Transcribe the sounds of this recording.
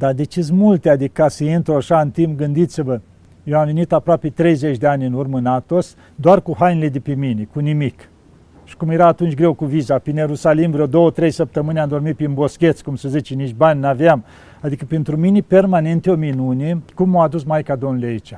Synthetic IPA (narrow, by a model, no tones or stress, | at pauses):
d̪ad̪e̞t͡ʃizmult̪ead̪ikasəint̪ɾoaʃaɨnt̪impɡɨnd̪it̪sivə | jewamvenit̪apɾoape̞t̪ɾe̞jzet͡ʃd̪eanʲɨnurmənat̪o̞s | d̪oarkuhanile̞d̪epeminekunimik | ʃi̥kumje̞ɾaːt̪unt͡ʃʲɡɾe̞wkuvizapinje̞ɾusalimvɾowd̪o̞wət̪ɾe̞jsəp̚t̪əmɨneamd̪o̞rmit̪̚pinbo̞skʲe̞t̪sʲkumsəzit͡ʃenit͡ʃbanʲnaveam | ad̪ikəpent̪ɾuminepe̞rmane̞nt̪eo̞minunekumːoad̪usmajkad̪onulʲeait͡ʃʲa